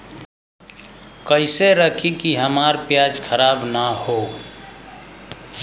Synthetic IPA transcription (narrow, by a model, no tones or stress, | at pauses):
kəɪseɾəkʰikiɦəmaɾpjad͡ʒkʰəɾabnəho